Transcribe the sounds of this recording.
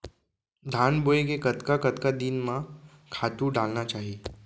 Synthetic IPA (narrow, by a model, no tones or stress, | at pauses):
d̪ʱaːnboːekekɐt̪kakɐt̪kad̪inmã | kʰaːt̪uɖaːlnat͡ʃaːɦieː